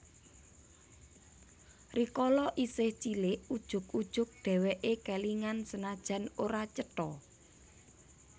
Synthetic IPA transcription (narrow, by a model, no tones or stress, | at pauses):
rikɔlɔʔisɪht͡ʃilɪʔud̥ʒ̥ʊ̤k̚ud̥ʒ̥ʊ̤k̚dɖ̥ɛ̤wɛʔekɛliŋansənad̥ʒ̥ä̤noɾat͡ʃəʈɔ